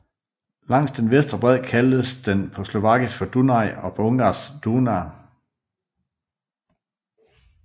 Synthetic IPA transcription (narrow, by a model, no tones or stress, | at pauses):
lɑ̈ŋ̰sd̥enʋesd̥ʁɐb̥ʁɛð̰ˠkʰæld̥əsd̥enpʰɒ̽slo̝ʋɑ̈ɡ̥isfɒ̽d̥unɑ̈ɪɒ̽pʰɒ̽ɔ̽ŋɡ̥ɑːsd̥unɑ